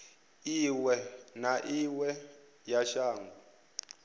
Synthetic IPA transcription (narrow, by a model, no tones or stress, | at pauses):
iwɛnaʔiwɛ | jaʃaːŋu